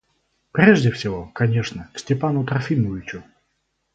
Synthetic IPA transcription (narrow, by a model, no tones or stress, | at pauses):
pɾʲeʐdʲɪfsʲɪvokɐnʲeʂnəksʲtʲɪpanʊt̪ɾɐfʲimʊvʲɪt͡ɕʊ